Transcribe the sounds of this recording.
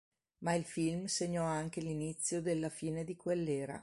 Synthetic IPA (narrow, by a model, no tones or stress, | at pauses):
mailfilmseɲːɔaŋk̟elinit̪sːjod̪elːafiːned̪ikwelːeːɾa̰